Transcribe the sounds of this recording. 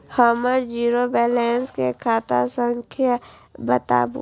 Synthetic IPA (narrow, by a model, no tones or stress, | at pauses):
həməɾd͡ʒiːɾobɛːlɛːnskekʰaːt̪a̰sə̃ŋkʰjəbət̪a̰ːbṵ